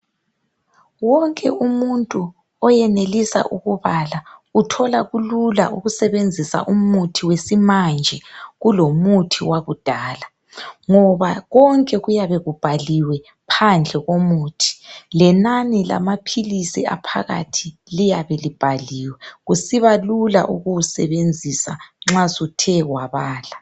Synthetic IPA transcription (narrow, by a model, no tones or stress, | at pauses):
wɔŋkʼɛ̰ʔumuntʼu | ɔjɛnelisa̰ʔuɣuβalautʰɔlaɣulula̰ʔuɣusɛβend͡zʱisa̰ʔumutʰiwesimand͡ʒʱɛɣulomutʰiwaɣud̥ʱaːla | ŋɔβaɣɔŋkʼɛɣujaβɛɣub̥ʱaliwɛ | pʰand͡ɮʱɛɣomuːtʰi̥lɛnanɛla̰mapʰilisia̰pʰa̰ɣa̰tʰilijaβɛlib̥ʱaliːwɛɣusiβalula̰ʔuɣusɛβend͡zʱisaŋ͡ǁazutʰɛɣwaβaːla